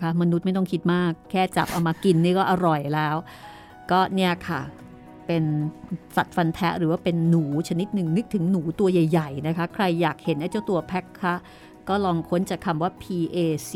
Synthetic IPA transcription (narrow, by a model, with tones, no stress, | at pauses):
kʰa˦˥ma˧nu˦˥t̪̚ma˥˩jt̪ɔ˥˩ŋkʰi˦˥t̪̚maː˥˩kʰːɛː˥˩t͡ɕa̰˨˩p̚ʔa˧wmaː˧ki˧nːiː˥˩kɔː˥˩ʔa˧ɾɔ˨˩jlɛː˦˥w | kɔː˥˩ni˥˩ɐkʰa˥˩ | pe˧nsa˨˩t̪̚fa˧nt̪ʰɛ˦˥ʔɾɯː˩˦waː˥˩pe˧nːuː˩˦t͡ɕʰa˧ni˦˥t̪̚nɯ˨˩ŋnɯ˦˥k̚t̪ʰːɯ˩˦ŋnuː˩˦t̪u˧ɐja˨˩jːa˨˩jna˦˥kʰa˦˥kʰɾa˧jːaː˨˩k̚he˨˩˦nʔaː˥˩t͡ɕa˥˩wt̪u˧ɐpʰɛ˦˥kʰːa˦˥ʔ | kɔː˥˩lɔː˧ŋkʰo˦˥nt͡ɕaː˨˩kʰa˧mwaː˥˩pʰiː˧ʔeː˧s